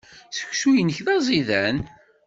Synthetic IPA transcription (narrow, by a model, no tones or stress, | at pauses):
θə̥çsujənəçðɑzˤiðæn